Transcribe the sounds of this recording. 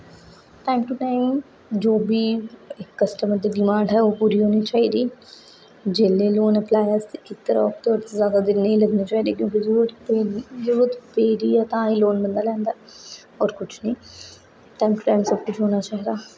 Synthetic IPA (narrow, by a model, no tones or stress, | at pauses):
ʈaːɪmʈuʈaːɪm | d͡ʒoːbʱiːɪkːəsʈəməɾd̪iːɖɪmãːɳɖɦɛoːpuːɾiɦoːnit͡ʃaːɦiːd̪iː | d͡ʒeːleːloːnəplaːjəɾst̪eɪt̪əɾɔːk̚t̪ɔːɾt̪ezjaːd̪ad̪ɪnːĩləɡnit͡ʃaːɦiːd̪eːkjõːk̬izɾuːt̪peːzəɾuːɾət̪peːɾiːjaːt̪ãːiloːnbənd̪aːlɛ̃ːnd̪aː | ɔːɾkʊt͡ʃʰnĩː | ʈaːɪmʈʊʈaːɪmsɐb̚kʊt͡ʃʰɦoːnat͡ʃaːɦid̪aː